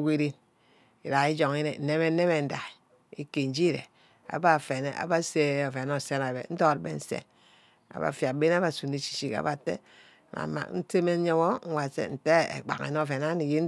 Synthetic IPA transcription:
ɡʷe˦ɾi˦n | i˨ɾa˨i˦d͡ʒo˨ŋi˦ne˨n̩˨ne˦me˦e˦me˨n̩˦da˨ | i˦ke˨n̩˨˦d͡ʒi˦ɾḛ˨ | a̰˨ba˦˨fe˨ne˦ʔa̰˨ba˦se˦o˨fe˨no˦˨se˦na˨bḛ˨˦n̩˦do˦˨ɾbḛ˨n̩˦sḛ˦ | a̰˨βa̰˨fja˨be˦n˦a˦βa˨su˨ni˨t͡ʃi̥˨t͡ʃi˦ka̰˨˦βa˨tḛ˦˨ | ma̰˨ma̰˨kn̩˦te˦me˦ɲe˦wo˦ŋ̩˦wa˨sḛ˦˨n̩˨te˦ḛ˨k͡pa̰˨kḛ˨no˦˨fe˨na˦ni˨je˦n˦

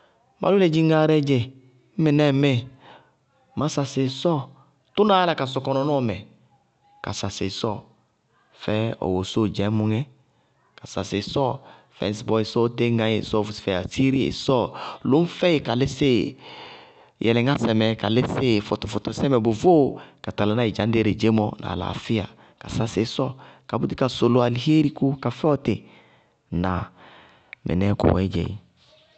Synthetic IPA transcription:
mʔa̰˨lu˦le˨d͡ʒi˦ŋa˦˨˦ɾɛ˦d͡ʒe˨ | m̩˦mɪ˨nɛ˦me˦ | ma˦sa˨se˨sɔ˦ | tu˦na˦a˦la˨ka˨s̬ɔ˨kɔ˨nɔ˨nɔ˦˨mɛ˨ | ka̰˨sa˨se˨sɔ˦˨ | fɛ˦ɔ̰˨wo˨so˦d͡ʒɛ˨˦mu˨ŋɛ˦ | ka˨sa˨se˨sɔ˦˨ | fɛ̰˨n˨sbɔ˨i˨sɔ˦te˦ŋã˨˦ḛ˨sɔ˦˨vsfɛ˨a̰˨si˦ɾi˦ḛ˨sɔ˦lʊ˨˦m̩˦fɛ˦jɪ˨ka˨lɪ˦sɪ˦ | jʔɛ̰˨lɛ˨ŋa˦sɛ˨mɛ˨ka˨lɪ˦sɪ˦fɔ˨tʊ˨fʊ˨tʊ˨sɛ˦mɛ˨bo˨vo˦ka˨ta˨la˨˦na˦i˨d͡ʒã˨˦n˦de˦˨ɾe˨d͡ʒe˦mɔ˦nʔa̰˨la̰˨fɪ˦ja̰˨ | ka̰˨sa˦sɪ˨˦sɔ˦ka˨bu˦di˦ka˨so˨lo˨˦a˨li˨he˦ɾi˦ku˦ka˨fɛ˦ɔ˦tɪ˨ | na˨ | mʔɛ̰˨nɛ˦kʊ̰˨wɛ̰˨˦d͡ʒɛ̰˨ḭ˨

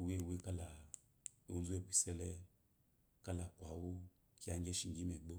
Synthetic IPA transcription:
we˦˨we˦ka˦la˨ | o˦zu˦e˦˨bʷi˨sɛ˦lɛ˦ | ka˦la˨kʷa˨wu˦ | ki˦a˨˧ŋ˦ɡʲɛ˦ʃi˨ŋɡʲi˦mɛ˨ɡ͡bo˦

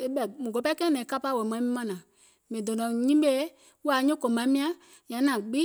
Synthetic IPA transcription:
e˦ɓɛ˨mũ˨ɡo˨˦pa˦kɛ̃˦nɛ̃˨˦ka˦pa˦˨wɛ˨mã˨˦mĩ˦mã˦nã˨ | mĩ˨do˨nɔ̃˨ɲĩ˦ɓe˦ | wu˦a˨˦ɲõ˦ko˨mã˨˦mĩ˦ã˦ | ɲã˨˦nã˨ɡ͡bi˦

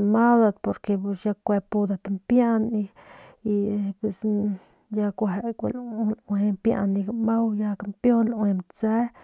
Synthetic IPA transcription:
ma˦d̪a˧d̪po˨ɾke˧psja˧kʷe˧pu˧d̪a˨t̪mpja˦ni˧ | pe˧s | ja˧kʷe˨kʷlwe˧mpja̰˧nːi˧ɡma˦wja˧ka˧mpjo˦nlwe˧mt͡se˦

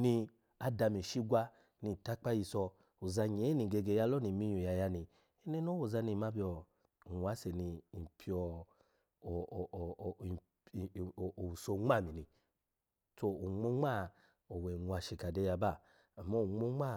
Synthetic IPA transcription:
ni˧ | a˧da˧mi˨ʃi˦ɡʷa˧ | ni˧˨ta˦k͡pa˦ji˧sɔ˧ | o˨za˧ɲ˨e˨˦ni˨ɡe˧ɡe˧ja˧˦lɔ˦ni˨mi˧˦ɲu˨ja˧ja˧ni˧ | e˦ne˦no˦wo˨za˧ni˧˨ma˦bi˧ɔ˧˨ | ŋʷ˨a˨˦se˨ni˧i˨pʰi˧ɔ˧˨ | o˨u˨so˧ŋ͡ma˦˨mi˨nĩ˧ | to˧o˨ŋ͡mo˦ŋ͡ma˦˨ | o˨wɛ˨ŋu˧a˧˨ʃe˨ka˨de˧ja˧baː˦˨ | mɔ˦o˨ŋ͡mo˦ŋ͡ma˦˨

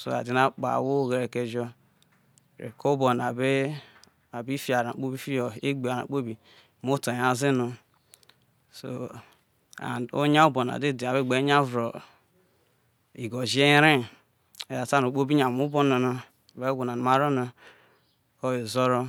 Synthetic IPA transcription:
so̰˨a̰˨di˦na˦k͡pa̰˨wo˦˨ɣe˨ɾe˨ke˨d͡ʒo˦˨ | ɾḛ˨ko˦bo˨n˨a˨be˦ | a˨bi˦fi˦a˨ɾa˨k͡po˦bi˦fi˦jo˨e˦ɡ͡be˨a˨ɾa̰˨k͡po˦bi˨ | mo˦to˨a˨zi˦no˨ | so̰˨ | a̰˨o̰˦ɲa˦u˦bo˨n˨a̰˨de˦˨de˨a˨be˦˨ɡ͡be˨˦ɲa˦vɾo˨ | i˨ɡo˨d͡ʒi˦e˦ɾe˦ | e˨ja˨ta˦no˨k͡po˦bi˦ɲa˨mu˦bo˦no˨na˨ | be˦ɡʷu˨na˨n˨ma˦ɾo˦na˨ | ko˦we˨zo˦ɾo˦

